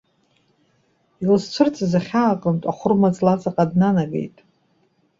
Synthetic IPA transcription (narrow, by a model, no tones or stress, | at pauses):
ilzt͡sʷʰɨrt͡sʼzaχʲaːqʼəntʼaχʷʊrmat͡sʼlat͡sʼaqʼadnanabḛjtʼ